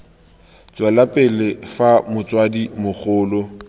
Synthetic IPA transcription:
t͡sʼwalapʼɪlɪfamʊt͡sʼwadimʊχʊːlʊ

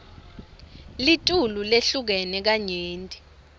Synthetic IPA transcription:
litʼululeɬuk̬ɛnɛk̬aɲeːntʼi̥

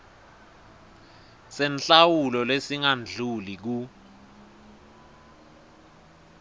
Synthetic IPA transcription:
sɛnɬawulɔlesiŋand͡ɮʱulik̬u

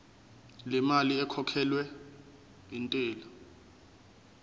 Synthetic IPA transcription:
lɛmaliɛkʰɔkʰɛlwɛ | intʼɛːlɔ

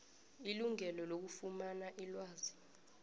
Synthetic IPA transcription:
iluŋɛlɔlok̬ufumanaʔilwaːzi

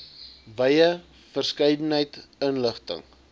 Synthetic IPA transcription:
vəjə | fərskəjdənɦəjtənləχtə̰ŋ

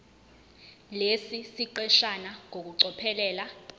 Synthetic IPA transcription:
lesisiǃɛʃanaŋok̬uǀɔpʰɛlɛːla

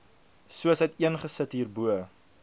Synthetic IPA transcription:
suəsɦətiənχəsətɦiːrbuə

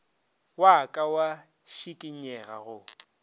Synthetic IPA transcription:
wakʼawa | ʃikʼɪɲɛɣa̰ɣʊ

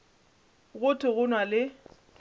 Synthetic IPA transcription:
ɣʊtʰʊɣʊnwalɪ

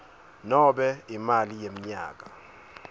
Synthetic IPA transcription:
nɔbɛɪmaljemɲa̰ɡa

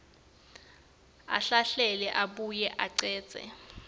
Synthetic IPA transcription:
a̰ɬaɬɛlɛʔaɓujɛʔaǀɛ̥ːz̥ʱɛ̰

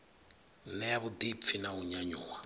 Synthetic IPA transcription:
nɛjaβud̪ip̪fʰinauɲaɲuːwa

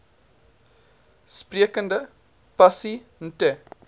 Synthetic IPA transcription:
spriəkəndə | pɐsin̩te

